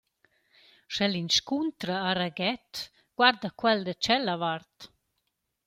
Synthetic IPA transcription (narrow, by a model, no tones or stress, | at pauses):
ʃɛlinʃkunt̪ɾaːɾaɡɛt̪ | ɡ̥waɾd̪akwɛld̪ət͡ʃɛlavaɾt̪